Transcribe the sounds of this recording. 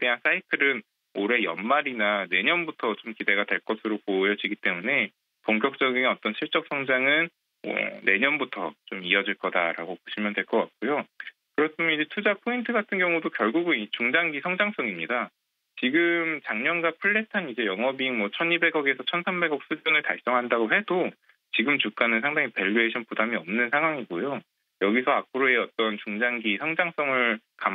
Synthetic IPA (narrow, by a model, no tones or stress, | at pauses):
ede̞ɦans͈ʰaitʰɯɾɯn | oɾe̞jʌ̰nmaɾinane̞ɲʌnbutʰʌt͡ɕomkide̞ɡadwe̞ɭk͈ʌsʰɯɾopojʌd͡ʑiɡit͈e̞mune̞ | poŋk̬͈jʌk̚t͡ɕ͈ʌɡinʌt͈ʌnɕʰiɭt͡ɕ͈ʌk̚s͈ʰʌŋd͡ʑaŋɯn̰ | ne̞ɲʌnbutʰʌ̰t͡ɕomiʌd͡ʑiɭk͈ʌda̰ɾa̰ɡopoɕʰimjʌntwe̞ɭk͈ʌk͈at̚k͈ujo | kɯɾʌtʰɯmʌnid͡ʑe̞tʰud͡ʑapʰointʰɯɡatʰɯnɡjʌŋudokjʌɭɡuɡɯit͡ɕuŋd͡ʑaŋɡisʰʌŋd͡ʑaŋs͈ʌŋimɲida | t͡ɕiɡɯmt͡ɕaŋɲʌnɡapʰɯɭːe̞tʰanid͡ʑe̞jʌŋʌbiŋmwʌt͡ɕʰʌnibe̞ɡʌɡe̞sʰʌt͡ɕʰʌnsʰambe̞ɡʌk̚s͈ud͡ʑʌnɯɭta̰ɭs͈ʌŋɦandaɡoɦe̞do | t͡ɕiɡɯmt͡ɕuk̚k͈anɯnsʰaŋdaŋipe̞ʎːueɕʰinpudamiʌmnɯnsʰaŋɦwaŋiɡojo | jʌɡisʰʌapʰɯɾoe̞ʌt͈ʌnt͡ɕuŋd͡ʑaŋɡisʰʌŋd͡ʑaŋs͈ʌŋɯɭkam